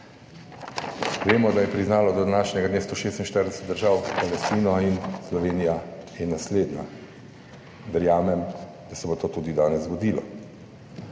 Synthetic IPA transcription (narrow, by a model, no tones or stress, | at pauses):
ʋeːmɔd̪ajɛpɾiznaːlɔd̪ɔd̪anaːʃɲʲɛɡad̪nest̪oʃeːst̪inʃt̪əɾd̪ɛsɛ̥t̪̚d̪əɾʒaːwpalɛst̪iːnɔinslɔʋeːnijajɛnasleːd̪na | ʋɛɾjaːmɛm | d̪̥asɛbot̪oːt̪uːd̪id̪aːnɛzɡɔd̪iːlɔ̰